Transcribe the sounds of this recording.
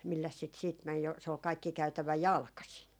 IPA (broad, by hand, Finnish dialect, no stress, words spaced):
milːæs sit siːt mæn̞ jo se ol kɑikːi kæytæʋæ jɑlkɑsin